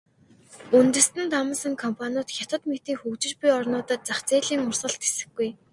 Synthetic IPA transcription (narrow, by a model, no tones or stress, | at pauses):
unt̪ɘ̆st̪ɘ̆nt̪amə̆sə̆ŋkʰɔmpʰanʲʊt̪xʲat̪ə̆t̪met̪iːŋxɵkt͡ɕɪ̆t͡ɕpijɔrnʊːt̪ə̆t͡saχt͡seːɮiːŋʊr̥sə̆ɬt̪xe̥sɘ̆ɡɡuj